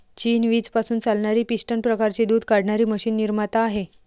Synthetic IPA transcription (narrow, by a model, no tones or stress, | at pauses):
t͡ɕiːnʋiːd͡zpasuːnt͡salɳaɾiːpiɕʈənpɾəkaɾt͡ɕid̪uːd̪ʱkaɽɳaɾiːməɕiːnːiɾmat̪aːɦe